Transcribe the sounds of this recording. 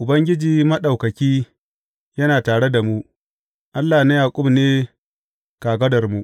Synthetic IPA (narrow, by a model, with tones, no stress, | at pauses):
ʔʊ˨bɐ˦ŋɡʲɪ˦d͡ʒiː˨mɐ˦ɗa˨wkɐ˨kʲiː˦ | jɐ˦naː˨taː˨ɽe˦da˨mu˦ | ʔa˦lːaː˨na˦jaː˨kʷʼʊ˦mneː˦ | kaː˨ɡɐ˦dɐ˨rmu˦ʔ